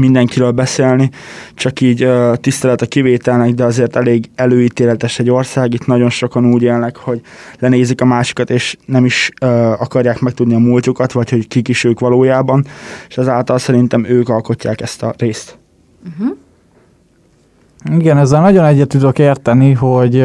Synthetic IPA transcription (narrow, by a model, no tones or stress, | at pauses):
mind̪ɛŋkiɾøːlbɛseːlni | t͡ʃɒkiːɟøːt̪ist̪ɛlɛt̪ɛkiveːt̪ɛlnɛɡd̪ɛɒzeːrt̪ɛleːɡɛløːiːt̪eːlɛt̪ɛʃɛɟːo̞rsaːɡit̪nɒɟo̞nʃo̞kɒnuːɟeːlnɛkho̞ɟ | lɛneːzikɒmaːʃi̥kɒt̪eːʃnɛmiʃɒkɒrjaːkmɛk̚t̪ud̪niɒmuːlt̪ukɒt̪ʋɒcho̞ckikiʃøːkʋɒloːjaːbɒneʃɛzaːlt̪ɒlsɛɾint̪ɛmøːkɒlko̞cːaːkɛst̪ɒreːst̪̩ | iɡɛnɛzːɛlnɒɟo̞nɛɟːɛt̪ːud̪okeːrt̪ɛniɦo̞ɟ